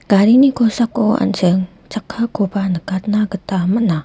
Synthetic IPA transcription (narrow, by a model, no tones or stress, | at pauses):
ɡ̥aɾinikosakːoa̰nt͡ʃəŋ | t͡ʃakʰːakobanəkat̪̚naɡətaməʔna